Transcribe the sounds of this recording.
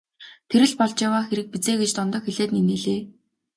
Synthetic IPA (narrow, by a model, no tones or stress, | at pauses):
t̪ʰeɾɘ̆ɮpɔɮt͡ɕjawaːxeɾɘ̆k̚pit͡seːɡet͡ɕt̪ɔnt̪ɞ̆xeɮeːt̪niniːɮeː